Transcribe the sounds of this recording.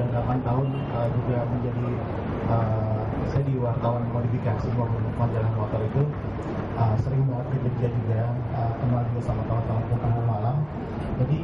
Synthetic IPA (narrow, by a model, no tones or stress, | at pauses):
dapant̪aʊn | əd͡ʒuɡaməɲd͡ʒadi | ə | sajadiwart̪awanmodifikasimaɦunmad͡ʒalahmɔt̪ɔrit̪u | əsəɾɪŋmawat̪̚ɡələd͡ʒiad͡ʒuɡa | əkəmald͡ʒuɡasamat̪aʊt̪aʊnpʊnt̪anlumalam | d͡ʒadi